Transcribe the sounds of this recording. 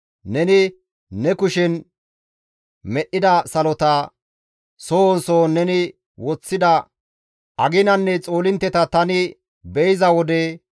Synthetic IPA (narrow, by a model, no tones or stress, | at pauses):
nɛnɪː | ɛkʊʃɛn | mɛʔːɪd̪ɐsɐlɔt̪ɐ | sonsoːnɛnɪ | wɔt͡sːɪd̪ɐ | ɐɡɪnɐnːɛt͡sʼo̞ːlɪnt̪ːɛt̪ɐt̪ɐnɪ | bɛjɪzɐwɔd̪ɛ